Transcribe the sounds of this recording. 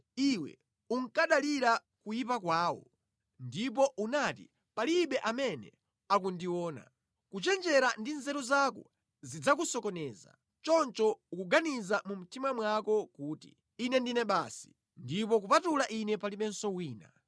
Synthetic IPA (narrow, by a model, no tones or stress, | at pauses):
iwɛ̰ | uŋkaɗaliɾa | kujipakwaːwɔ̰ | ndip̬ɔʔunatḭ | paliɓɛʔamɛnɛ̰ | ak̬undiwɔːna̰ | kut͡ʃɛnd͡ʒɛɾandinzɛɾuzakɔ | zid͡zak̬usɔkɔnɛːza̰ | t͡ʃɔnt͡ʃɔukuɡanizamum̩timamwakɔkuːtḭ | inɛndinɛɓasi̥ | ndipɔk̬upatulaʔinɛpaliɓɛnsɔwiːna̰